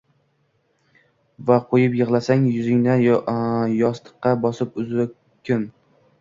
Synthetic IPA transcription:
vaqʰojɪpjɨʁlˠasaŋjʊzɪŋna | jɒst̪ɨ̥qːɑbɒsɪpʊzɪ | kʲʰʊn

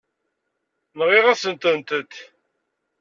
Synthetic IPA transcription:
nʁiʁæsənt̪ənt̪ət̪

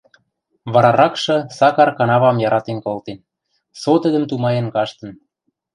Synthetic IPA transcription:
βɑɾɑɾɑkʃɤ̆sɑkɑrkɑnɑβɑmjɑɾɑt̪enkolt̪en | sot̪əd̪ə̆mt̪umɑjĕnkɑʃt̪ə̆n

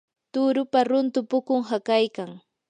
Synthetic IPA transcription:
t̪ʊɾʊpaɾʊnt̪ʊpʊkʊŋɦakajkaŋ

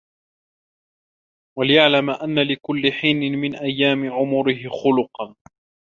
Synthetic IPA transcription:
walɪjaʕlamaʔanːalɪkʊlːɪħiːnɪmɪnʔajːaːmɪʕʊmʊɾɪhɪxʊlʊqɑn

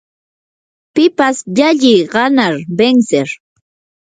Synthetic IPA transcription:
pɪpasʎaʎijɢɑnaɾbeŋseɾ

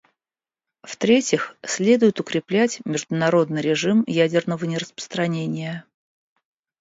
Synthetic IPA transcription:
ft̪ɾʲetʲɪxsʲlʲe̞d̪ʊjɪt̪ʊkɾʲɪplʲætʲmʲɪʐd̪ʊnɐɾo̞d̪nɨjɾʲɪʐɨmjædʲɪrnəvənʲɪɾəspə̥st̪ɾɐnʲenʲɪjə

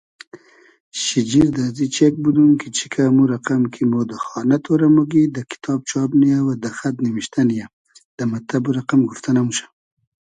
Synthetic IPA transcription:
ʃid͡ʒiɾd̪azit͡ʃek̚bud̪umkit͡ʃi̥kʰamuɾaqamkʰimod̪əxɑnat̪ʰoɾamuɡid̪əkɪ̥t̪ʰɑb̚t͡ʃɑbnijawad̪axat̪nimiʃt̪anija | d̪̥əmat̪abuɾaqamɡuft̪anamuʃḁ

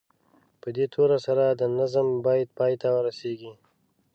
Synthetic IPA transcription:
pəd̪et̪ʰoɾasaɾad̪ənazəmbɑjad̪̚pɑːjt̪awəɾaseɡi

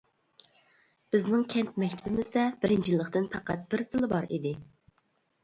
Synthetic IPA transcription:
b̥ɪznɪŋkʲʰɛnt̪mɛkʲt̪ʰɪbɪmɪzd̪ɛbɪɾɪnt͡ʃjilːəχt̪ɨnpʰɑqæt̪̚b̥ɪɾsɨlˠɪbɑɾḭd̪ɪ

